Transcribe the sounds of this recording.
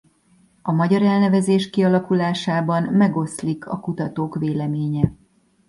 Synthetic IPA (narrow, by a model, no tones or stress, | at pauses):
ɒmɒɟɒɾɛlnɛvɛzeːʃkiɒlɒkulaːʃaːbɒnmɛɡo̞slikʰɒ̰kut̪ɒt̪oːkʋeːlɛmeːɲɛ